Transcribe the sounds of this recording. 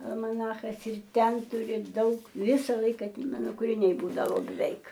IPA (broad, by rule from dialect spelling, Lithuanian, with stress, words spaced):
ɐlˠmɐˈnɑːxɐs ɪr ˈtʲɛn ˈtʊrʲɪ ˈdɐʊk ˈʋʲɪsɐ ˈlˠɐɪkɐ ˈmɑːnoː kʊrʲɪˈnʲɛɪ ˈbuːdɐʋoː bʲɛˈʋʲɛɪk